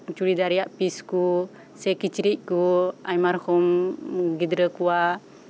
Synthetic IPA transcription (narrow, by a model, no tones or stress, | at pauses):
t͡ʃuɾid̪aɾɛjaʔpisku | sɛkit͡ʃiɾic̚kuajmaɾhɔmɡid̪ɾəkuwa